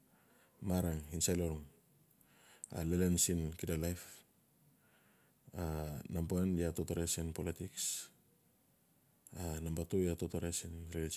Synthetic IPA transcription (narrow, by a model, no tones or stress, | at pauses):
maɾaŋinsajloɾuŋ | a̰lelensinkidalajf | anamboenjatotoɾesinpolitiks | anambatojatotoɾesinɾel